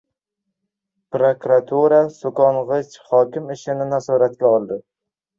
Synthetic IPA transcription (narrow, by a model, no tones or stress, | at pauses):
pɾokɾat̪ʰuɾasokɒnʁɨt͡ʃhɒkʲɪmɪʃɪnɪnazɒɾat̪ɡʲaɒlˠd̪ɪ